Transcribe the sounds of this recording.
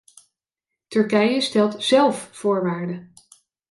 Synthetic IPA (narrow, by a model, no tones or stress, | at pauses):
tɵɹkɛjəstɛlˠtz̥ɛlˠffʊːɹʋaːɹdə